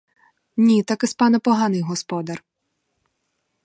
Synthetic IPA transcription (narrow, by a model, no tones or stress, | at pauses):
nʲit̪akɪspɑnɐpɔɦɑnɪjɦɔspɔd̪ɐr